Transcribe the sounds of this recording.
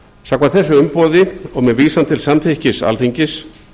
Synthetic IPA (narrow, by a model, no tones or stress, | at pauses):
saːkmaθɛsːʏʏmpɔːðɪɔɣmɛðviːsamt̪ʰɪlsamt̪ʰehcɪsa̰lθiɲcɪs